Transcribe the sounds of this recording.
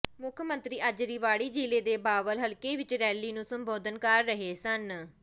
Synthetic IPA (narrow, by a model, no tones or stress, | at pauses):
mʊkʰmə̃nt̪ɾiːəd͡ʒɾiːʋaːɽiːd͡ʒiːleːd̪eːbaːʋəlɦəlkeːʋɪt͡ʃɾɛːliːnũːsəmboːd̪ənkəɾːəɦeːsən